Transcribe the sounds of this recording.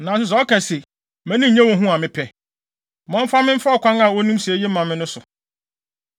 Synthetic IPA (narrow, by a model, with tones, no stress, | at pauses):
nã˨s̬ʊ˨s̬ɔ˨˦kɛ˨se˨ | mæ̃˦nĩ˦˨ɲɛ̃˦wɔ̃˨ɦũ˦a˨mɪ̃˦pʰɛ˨ | mɔ̃˦m̩˦fa˦mɪ̃˦m̩˦fa˦ɔ˨kʷã˦ŋa˨wɔ˦nũ˦m˦si˨e˨˦je˦mã˨mːɪ̃˦nʊ̃˦sʊ˨